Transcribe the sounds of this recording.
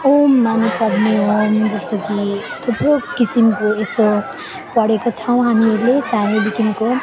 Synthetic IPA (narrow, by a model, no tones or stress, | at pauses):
omːampʌbneomd͡zʌst̪oki | t̪ʰuprokisimkoest̪o | pʌɽekot͡sʰʌw̃ɦamiʌɾlesanibikʰinko